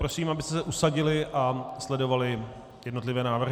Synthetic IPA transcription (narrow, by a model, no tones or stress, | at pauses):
ɾo̞siːmabɪst̪ɛsɛʔusaɟɪlɪʔaslɛdo̞valɪ | jɛdnot̪̬lɪvɛːnaːvɾr̩ɦ